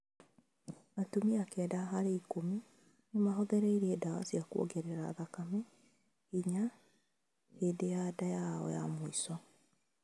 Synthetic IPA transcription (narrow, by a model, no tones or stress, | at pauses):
atumiakɛːdaɦaɾeikomi | nemaɦɔðɛɾeiɾeɛdawa̰siakuo̰ɡɛɾeɾa̰ðakame | hiɲa | hedejadajaɔ̰ja̰moisɔ